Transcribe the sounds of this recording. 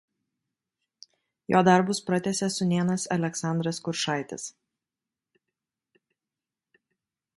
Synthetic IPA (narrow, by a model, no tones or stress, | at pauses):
joːd̪ɐɾbʊspɾɐt̪ʲɛsʲɛsʊnʲeːnɐsɐlʲɛksɑˑnd̪ɾɐskʊɾʃɑˑɪt̪ʲɪ̰s